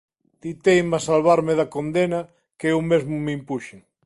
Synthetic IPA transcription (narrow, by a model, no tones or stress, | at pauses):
d̪̥it̪ejmasalβaɾmeðakond̪ena | keewmezmumimpuʃeŋ